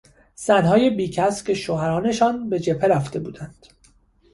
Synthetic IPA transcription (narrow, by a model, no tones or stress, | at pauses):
z̥ænɦɒːje̞biːcʰæscʰe̞ʃoɦæɾɒːne̞ʃɒːnbe̞d͡ʒe̞pʰe̞ɾæft̪e̞buːd̪ænd̪̥